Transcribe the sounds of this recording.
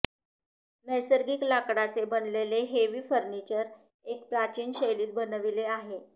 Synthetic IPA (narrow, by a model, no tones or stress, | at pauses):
nəjsəɾɡiːklakɽat͡sebənleleɦeʋiːfəɾnit͡ɕəɾ | ek̚pɾat͡ɕiːnɕəjliːt̪̚bənəʋileaɦe